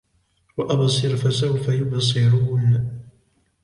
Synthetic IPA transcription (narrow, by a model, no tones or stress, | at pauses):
waʔabsˤɨɾfasawfajʊbs̬ˤɪɾuːn